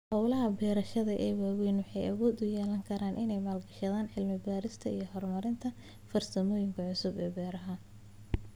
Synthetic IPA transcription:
hɔwlɐɦɐbɛːɾɐʃɐðɐʔɛːwaːwɛjnwɑħɑjʔɐwɔːd̪ʊjɛːlɐŋkʰɐɾaːnʔɪnɛjmaːlɡɐʃɐðaːnʕɪlmɪbaːɾɪst̪ʰɐijɞɦɔrmɐɾɪnt̪ʰɐ | fɐrsɐmɔːjɪŋkʰɐʕʊsʊbɛːbɛːɾɐɦɐ

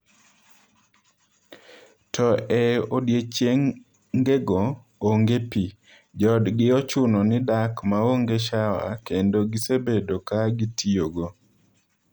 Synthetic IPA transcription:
tʰɔɛodjet͡ʃeŋ | ɡeɡɔ | oŋɡepi | d͡ʒɔdɡɪɔt͡ʃʊnɔnɪdakmaoŋɡeʃawa̰kendoɡisebedokaɡitʰioɡɔ

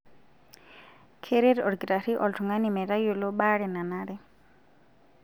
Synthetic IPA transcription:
kʰeɾeɾɔɽɡɾaɾiʔɔltʰuŋanimɛɾajolɔɓaɽɛnanaɾɛ

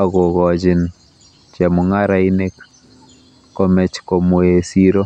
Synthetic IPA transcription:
aɣoɣɔd͡ʒɪn | t͡ʃɛmuŋaɾainek | kːɔmɛt͡ʃkɔmuesiɾo

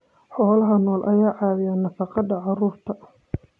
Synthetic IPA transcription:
ħɔːlɐɦɐnɔːlʔɐ̰jaːʕɑːðɪjaːnɐfɑqɑd̪ɐʕɑruːrt̪ʰɐ

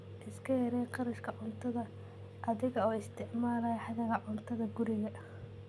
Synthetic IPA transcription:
ʔɪskʰɐjɛɾɛjqɑɾɐʃkʰɐʕʊnt̪ʰɐðɐ | ʔɐðɪɣɐɔːɪst̪ʰɪʕmaːlɐjħɑðɐɣɐʕʊnt̪ʰɐðɐɡʊɾɪɣɐʔ

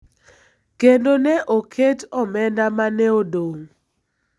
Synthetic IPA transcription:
kendonɛʔokʰetɔmɛndamanɛodoŋ

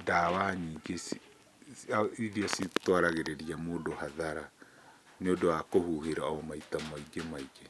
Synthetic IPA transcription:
daːwaɲiɡesi | aiɾiasitwaɾaɣeɾeɾiamoːdohaðaɾa | neodoakohuɦeɾaaɔmaitamaiɡemaiɡe

